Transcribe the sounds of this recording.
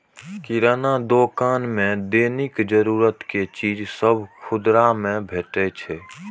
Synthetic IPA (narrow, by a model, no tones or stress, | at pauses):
kiɾaːnad̪oːkaːnmẽd̪eːnɪkd͡ʒəɾuːɾət̪ket͡ʃiːd͡ʒsəbʱkʰʊd̪ɾamẽbʱeːʈet͡ʃʰɛː